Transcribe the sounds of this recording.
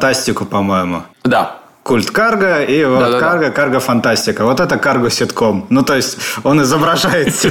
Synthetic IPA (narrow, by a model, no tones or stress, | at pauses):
t̪asʲtʲɪkʊpɐmo̞jɪmʊ̰d̪a | kulʲt̪karɡəivokarɡəkarɡəfɐnt̪asʲtʲɪkəvo̞t̪ɛt̪əkarɡʊsʲɪt̪ko̞mnut̪ojɪsʲtʲo̞nɪzəbɾɐʐajɪt̪sə